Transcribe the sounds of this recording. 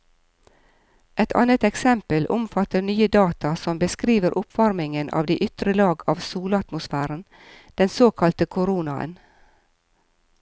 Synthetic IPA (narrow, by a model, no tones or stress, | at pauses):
ʔɛt̪ʰɑ̰ːnət̪ɛksɛmpəlʔʊmfɑt̪ənyːəd̪ɑːt̪ɑsɔmbəskɾiːʋəɾʔʊpʋɑɾmɪŋənʔɑ̰ːʋd̪iːʔʏt̪ɾəlɑːɡɑːʋsuːlɑt̪mʊsfæːɾən | d̪̥ɛnsoːkʰɑlt̪əkʰʊɾuːnɑə̰n